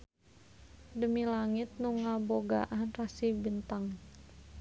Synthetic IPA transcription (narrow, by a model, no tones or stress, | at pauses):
dəmilaŋit̪̚nuŋaboɡa̰ʔanrasibint̪aŋ